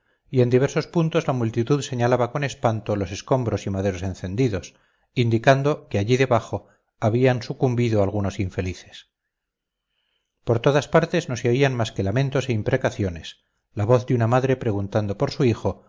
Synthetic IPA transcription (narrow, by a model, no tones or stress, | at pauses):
ie̞nd̪iβ̞e̞ɾso̞spunt̪o̞zlamult̪it̪uðse̞ɲalaβako̞ne̞spant̪o̞lo̞se̞sko̞mbɾo̞simað̞e̞ɾo̞se̞nθe̞nd̪iðo̞s | ind̪ikand̪o̞keaʎiðe̞βaχo̞ | aβiansukumbiðoalɣ̞uno̞siɱfe̞liθe̞̥s | po̞ɾt̪o̞ðaspaɾt̪e̞zno̞seoianmaske̞lamẽ̞nt̪o̞se̞impɾe̞kaθjo̞ne̞s | laβo̞θd̪unamaðɾe̞pɾe̞ɣ̞unt̪and̪opo̞ɾsuixo̞